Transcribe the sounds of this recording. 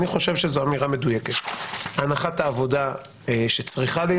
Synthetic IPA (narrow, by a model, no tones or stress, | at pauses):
niχo̞ʃevʃezoamiʁame̞d̪ujeket̪anaχat̪aːvo̞d̪a | eʃe̞t͡sʁiχale